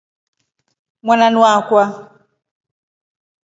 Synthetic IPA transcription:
mwananwakwa

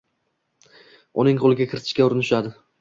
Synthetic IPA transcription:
ʊnɪŋqʰolˠɪɡʲakʲʰɪɾɪt̪ʰɪ̥ʃkʲaʊɾɪnɪʃad̪ɪ

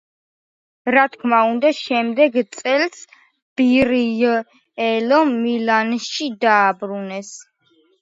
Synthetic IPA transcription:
ɾat̪ʰkʰmaund̪aʃɛmd̪ɛɡt̪sʼɛls | b̥iɾi | ɛlɔmilanʃid̪aːbɾunɛs

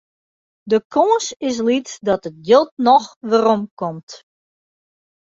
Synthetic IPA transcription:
dəkʰoːsɪs̬litdɔtət̚ɡjølˠt̚nɔxʋərɔmkɔmt

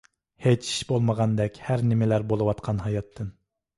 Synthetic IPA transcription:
het͡ʃi̥ʃbolˠməʁɑnd̪ɛkʲhæɾnɪmɪlæɾbolˠɨwɑt̪qʰɑnɦɑjɑt̪ʰːɨn

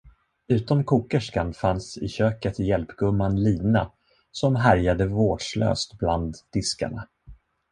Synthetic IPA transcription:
ʉ̟ːt̪ɔmkʰuːkəʂkanfansɪ̰ɕøːkət̪jɛlpɡɵmːanliːna̰ | sɔmɦæɾjad̪əvoːɖ̥ʂlø̰ːst̪bland̪d̪ɪska̰ɳa

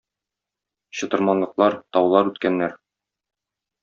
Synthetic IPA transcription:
ɕɤ̆t̪ɤ̆ɾmɑnlˠɤ̆qlˠɑɾt̪ɒwlˠɑɾʉt̪kænːæɾ

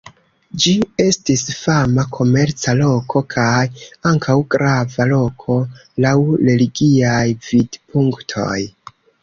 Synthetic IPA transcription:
d͡ʒie̞stisfamakʰo̞me̞ɾt͡salo̞kʰo̞kʰajaŋkʰawɡɾʔavalo̞kʰo̞lawɾe̞liɡiajvidpʰuŋktʰo̞̰j

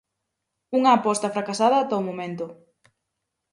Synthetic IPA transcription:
uŋɐːpɔst̪ɐfɾakasaðɐːt̪aomomẽnt̪ʊ

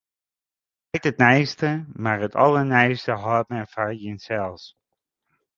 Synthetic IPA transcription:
ɛjtət̚nɛjstəmaːɹətɑ̰lˠəɹnɛjstəɦɑːt̚mɛfaːɹjənsɛlˠs

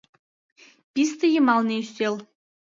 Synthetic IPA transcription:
pʲist̪ə̆jɤ̆mɑlneyst̪el

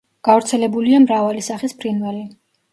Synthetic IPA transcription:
ɡ̥avɾt̪sʰɛlɛbuliamɾavalisaχispʰɾinvɛli

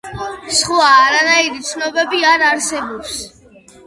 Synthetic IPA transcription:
sχvaːɾanaiɾit̪sʰnɔbɛbiaɾaɾsɛbɔps

